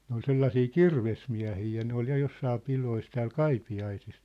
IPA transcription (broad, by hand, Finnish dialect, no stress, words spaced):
ne ol selːɑsiː kirʋesmiæ̝hiː jɑ ne ol jɑ josːɑː pilois tæːl kɑipiɑisis